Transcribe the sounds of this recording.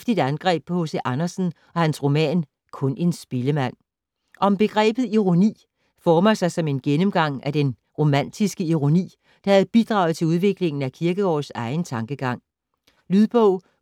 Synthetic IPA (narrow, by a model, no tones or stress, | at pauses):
fd̥id̥ænɡ̥ʁɛ̰ːb̥hɔ̽səʔɑnɐsn̩ | ʔɒ̽hænsʁo̝mɛ̰ːn | kʰɔ̽ne̝nsb̥e̝ləmæn̰ | ʔɒ̽mb̥e̝ɡ̥ʁɛ̰ːb̥ð̩ˠiʁo̝nḭː | fɒːmɐsɑ̈ɪsɒ̽me̝nɡ̥enəmɡ̥ɑ̈ŋ̰æd̥en | ʁo̝mæn̰d̥isɡ̥əiʁo̝nḭː | d̥ɑ̈hæð̩ˠb̥id̥ʁɑ̈ʊð̩ˠt͡sʰe̝uð̞ˠʋe̝ɡ̥le̝ŋn̩ækʰiɐɡ̥əɒ̰ːsɑ̈ɪnt͡sʰɑ̈ŋɡ̥əɡ̥ɑ̈ŋ̰ | lyðˠb̥ɔʊ̰